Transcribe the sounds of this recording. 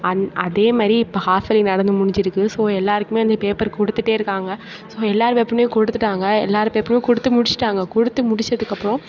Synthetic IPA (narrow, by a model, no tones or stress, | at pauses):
ɐʔɐðeːmaːd̪ɾiɪpːohaːfɐlɪnɐɽɐnd̪ɯmʊɽɪɲd͡ʒɪɾɯkːɯsoːɛlːaːɾɯkːɯmeːɐnd̪ɐpeːpɐɾkɔɽɯt̪ːɯʈːeːɪɾɯkːaːŋɡɐ | soːɛlːaːɾɯmepːɐɾɐmeːkɔɽɯt̪ːɯʈːaːŋɡɐɛlːaːɾɯpeːpɐɾmeːkɔɽɯt̪ːɯmʊɽɪt͡ʃːɪ̥ʈːaːŋɡɐkɔɽɯt̪ːɯmʊɽɪt͡ʃːɐðɯkːɐpːɾɔ̃